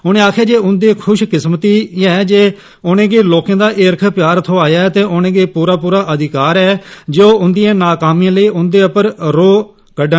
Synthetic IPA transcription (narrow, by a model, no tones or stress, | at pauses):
ʊñẽːaːkʰjaːd͡ʒeːʊnd̪eːkʰʊʃkɪsmt̪iːɛːd͡ʒeː | ʊnẽːɡeːloːkẽːd̪aːʔɪɾkʰpjaːɾt̪ʰoːaːjaːɛt̪eːʔʊnẽːɡeːpuːɾaːpuːɾaːʔəd̪ɪkaːɾɛːd͡ʒeːoːʊnd̪ijãːnaːkaːmijãːləiːʔʊnd̪eːʊpəɾɾoː | kəɖə̃